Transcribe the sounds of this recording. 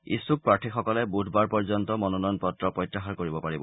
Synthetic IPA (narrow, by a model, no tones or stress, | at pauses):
ḭsuk̚pɹaʈʰixɔkɔlɛbudʰʱbaɹpɔɹzɔntɔmɔnɔnɔjnpɔtɹɔpɔjtːaxaɹkoɹibɔpaɹibɔ